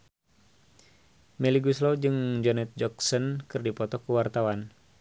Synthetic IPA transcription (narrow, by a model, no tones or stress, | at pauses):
mɛliɡuslɔd͡ʒɨŋd͡ʒɔnɛt̪̚d͡ʒɔksɔnkɨrdipɔt̪ɔkuwart̪awan